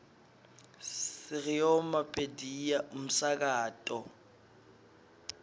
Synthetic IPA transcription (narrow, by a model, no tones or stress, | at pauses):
sɪrɪjɔmapʼedijam̩sak̬ʼaːtʼɔ